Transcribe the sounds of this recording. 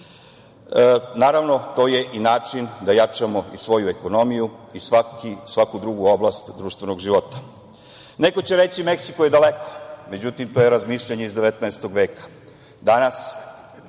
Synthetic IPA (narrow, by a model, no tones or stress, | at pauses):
naːɾaʋno̞t̪o̞ːje̞ʔinaːt͡ʂind̪ajat͡ʂamo̞isʋo̞jue̞ko̞no̞mijuisakisʋakud̪ɾuɡuo̞blast̪d̪ɾuːʃt̪ʋeno̞ɡʒiʋo̞t̪ḁ | neko̞t͡ɕeɾe̞t͡ɕime̞ksikojed̪aleko̥me̞d͡ʑut̪imt̪ojeɾazmiːʃʎaɲeizd̪eʋet̪nɛest̪oɡʋe̞ːkḁ | d̪anas